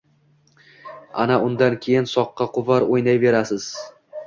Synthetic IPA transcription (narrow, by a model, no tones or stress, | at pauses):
a̰naʔʊnd̪ankʲʰe̞jɪnsɒqːɑqʰʊvaɾojnajve̞ɾasɪz̥